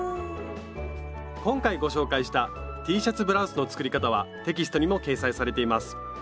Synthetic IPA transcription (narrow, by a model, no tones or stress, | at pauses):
kõ̞ŋkaiɡo̞ɕo̞ːkaiɕi̥t̪a | t̪ʲiːɕat͡sɨbɯɾaɯ̟sɨnot͡sɨ̥kɯ̟ɾʲikat̪aβ̞at̪e̞kʲisɨ̥t̪o̞ɲ̟imo̞ke̞ːsaisaɾe̞t̪e̞imasɨ̥